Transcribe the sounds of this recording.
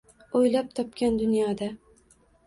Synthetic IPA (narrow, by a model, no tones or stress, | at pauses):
ojlap̚t̪ʰɒp̚kʲand̪ʊnjɒd̪a